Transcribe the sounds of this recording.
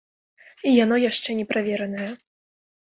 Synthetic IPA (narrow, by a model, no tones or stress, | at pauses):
ijan̪ɔjaʂt͡ʂɛnʲɛpɾavʲɛɾɐnɐjɐ